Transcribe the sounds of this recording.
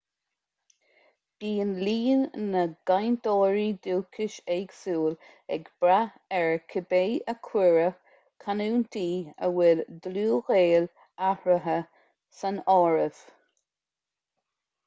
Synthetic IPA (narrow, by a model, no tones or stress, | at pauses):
b̥iːənliːnnːəɡ̥ajnd̪ɔːɹid̪uːkʰɪʃɛɡsuːl | ɛɡb̥ɾa | ɛɹkʰəbejəkʰwɪɹə | kʰanuːnt̪ʰiːə̰wɪld̪luːɣeːl | ahɹəɦə | sanɔːɹəv̥